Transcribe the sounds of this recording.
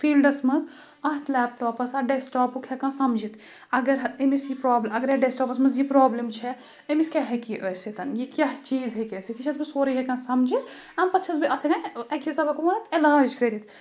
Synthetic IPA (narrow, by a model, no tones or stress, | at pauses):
fiːlɖɐsmɐz | ɐt̪ʰlɛːp̚ʈɔːpɐsɐɖesʈɔːpukʰɛkãːsɐmd͡ʒʱit̪ | ɐɡɐɾɦemisjipɾɔːblɐɡɐɾjɐɖesʈɔːpɐsmɐzjipɾɔːblemt͡ʃʰɛ | emiskʲaɦɐkiʔəːt͡ʃset̪ɐnjikʲɐɦt͡ʃiːzɦɐkiəsit̪it͡ʃʰɐsbisoːɾɐjɦekãːsɐmd͡ʒit̪ | ɐmpɐt̪t͡ʃʰɐs̬biʔɐt̪ʰnẽɐkʰisɐbɐkuʋɐnɐt̪elaːd͡ʒkəɾit̪